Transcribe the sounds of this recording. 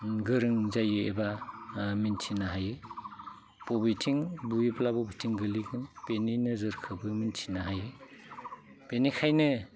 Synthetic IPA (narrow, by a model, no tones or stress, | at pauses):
ɡɯɾɯŋzajɯebamintʰinaɦajɯ | pɔbitʰiŋbuiplabɔbitʰiŋɡɯliɡʰɯnpeninɯzɯɾkʰɯbɯmintʰinaɦajɯ | penikʰajnɯ